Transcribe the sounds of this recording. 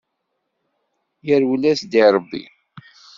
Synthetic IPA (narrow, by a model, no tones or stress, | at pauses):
jəɾwlæsd̪iɾˤəbːḭ